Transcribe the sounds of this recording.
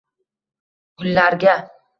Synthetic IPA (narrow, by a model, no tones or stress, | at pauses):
kʰʊlːaɾɡʲa